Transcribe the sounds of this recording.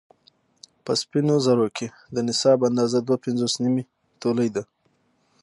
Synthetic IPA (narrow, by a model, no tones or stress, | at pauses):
pəspinozaɾokʰe | d̪ənɪsɑband̪ɑzad̪wapɪnzosnimi | t̪oləjd̪a